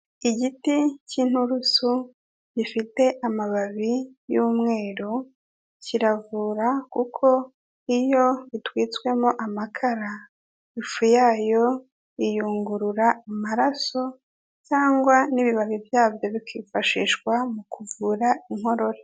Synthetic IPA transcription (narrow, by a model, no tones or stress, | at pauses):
iɟiticin̥huɾusu | ɟifite̞ʔamaβaβijuːmŋe̞ːɾu | ciɾavuːɾakukʰo̞ | ijo̞βitwiːt͡swe̞moʔamakʰaɾa | ifujaːjo̞ | ijuːŋɡuɾuɾaamaɾaso̞ | caːŋɡwaniβiβaβivjaːvjo̞βikiːfaʃḭːʃɡwamukuvuɾaiŋɦo̞ɾo̞ɾe